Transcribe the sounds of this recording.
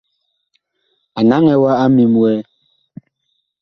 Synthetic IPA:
a˨na˨˦ŋɛ˨wa˦a˦mi˨mwɛ˦

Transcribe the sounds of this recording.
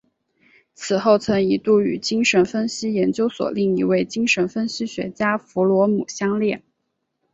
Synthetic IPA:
t͡sʰɹ̩˨˩xo˥˩ʊt͡sʰɤ˧˥ŋi˧˥t̪u˥˩y̰˨˩t͡ɕi˥ŋʂə˧˥nfə˥nɕi˥jɛ˧˥nt͡ɕjo˥ʊswɔ̰˨˩li˥˩ŋi˧˥we˥˩ɪt͡ɕi˥ŋʂə˧˥nfə˥nɕi˥ɕɥɛ̰˧˥t͡ɕja˥fu˧˥lwɔ˧˥mu˨˩ɕjɑ˥ŋljɛ˥˩n

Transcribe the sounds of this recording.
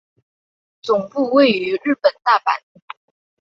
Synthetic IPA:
t͡sʊ˨˩ŋpu˥˧we˥˩ɪy˧˥ɻ̩˥˩pə˨˩nt̪a˥˩pa̰˨˩˦n

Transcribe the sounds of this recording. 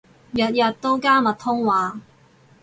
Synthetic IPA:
jɐ˨t̚jɐ˨t̚t̪ːo˥wkaː˥mɐ˨t̪̚ʰːʊ˥ŋwaː˨˥

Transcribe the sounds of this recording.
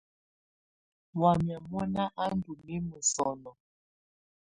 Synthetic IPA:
wa˨mja˨mwɔ˦na˦ʔa˦ndu˨mi˦mə˨sɔ˨nɔ˨

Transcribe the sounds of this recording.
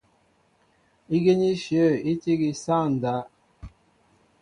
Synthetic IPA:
i˦ɡe˦ɲi˦ʃje˦˨i˦ti˦ɡi˨sa˦˨n̩˨da˨˦

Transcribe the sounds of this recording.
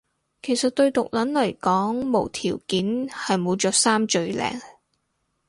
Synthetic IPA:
kʰe˨˩jsɐ˨t̚t̪ɵ˧ɥt̪ʊ˨k̚lɐ˨˥nlɐ˨˩jkɔː˨˥ŋmo˨˩wt̪ʰiː˨˩wkiː˨˥nhɐ˨jmo˨˧wt͡ʃɔː˨˥saː˥mt͡ʃɵ˧ɥlɛ̰ː˨ŋ

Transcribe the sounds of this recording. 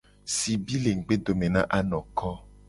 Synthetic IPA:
si˨bi˦le˨ŋ̩˨ɡ͡be˦d̪o˨mẽ˨nã˦ʔa˦nɔ̃˨kɔ˦

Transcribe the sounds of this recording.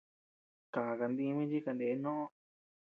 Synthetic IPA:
ka˨ka˧nd̪i˧mĩ˦t͡ʃi˦ka˧nd̪e˨˦nõ˦ʔõ˦˧

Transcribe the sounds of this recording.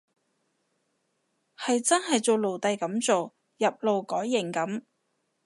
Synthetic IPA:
hɐ˨jt͡sɐ˥nɦɐ˨jt͡so˨˧wlo˨˩wt̪ɐ˨˧jkɐ˨˥mt͡so˨w | jɐ˨p̚lo˨˧wkɔː˨˥jːɪ˨˩ŋkɐ˨˥m

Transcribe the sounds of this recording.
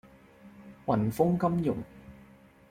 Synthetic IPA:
wɐ˨˩nfʊ˥ŋkɐ˥mjʊ˨˩ŋ

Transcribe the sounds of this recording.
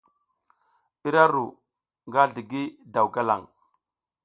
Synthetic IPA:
i˦ɾa˦ɾu˨ | ŋɡa˦ɮi˨ɡi˦da˨wɡa˦la̰˨ŋ

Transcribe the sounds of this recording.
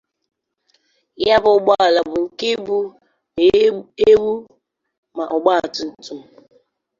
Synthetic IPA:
ja˦bʊ˨˦ɡ͡ba˦˨la˨bʊ˨ŋ̩˨ke˦bu˦˨ | e˦wu˦ | ma˨ʔʊ˨ɡ͡ba˦a˨tʊ˨n̩˨tu˦m̩˨

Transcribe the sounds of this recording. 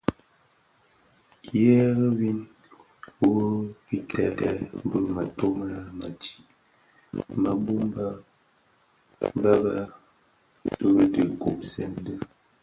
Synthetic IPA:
jɛ˦ɣə˦wi˦n | wo˦i˦tʰɛ˨lɛ̰˨m˦bə˦ma˨to˦ma˦ma̰˨ti̥˨ | ma˨bu˦mba˦ | ba˦ba˦ | tə˦də˨ku˨ʔsɛ˦˨n˦də˦

